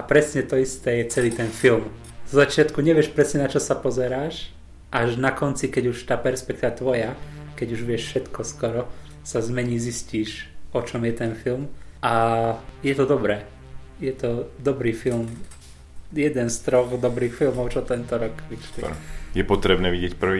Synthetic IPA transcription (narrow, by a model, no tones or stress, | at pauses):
ʔapɾɛsɲɛt̪ɔist̪ɛːjɛt͡sɛliːt̪ɛnfilm | zɔzat͡ʃɪat̪kuɲɛʋɪɛʃpɾɛsɲɛnat͡ʃɔsapɔzɛɾaːʃ | ʔaʒnakɔnt͡sikɛɟuʃt̪aːpɛɾspɛk̚t̪iːʋat̪ʋɔjakɛɟuʒʋɪɛʃfʃɛt̪kɔskɔɾɔ | sazmɛɲiːzisciːʃɔt͡ʃɔmjɛt̪ɛnfilmʔajɛt̪ɔd̪ɔbɾɛː | jɛt̪ɔd̪ɔbɾiːfilm | jɛd̪ɛnst̪ɾɔɣd̪ɔbɾiːxfilmɔʊt͡ʃɔt̪ɛnt̪ɔɾɔkʋiʃiɔ̰jɛpɔt̪ɾɛbnɛːʋiɟɪɛcpr̩ʋi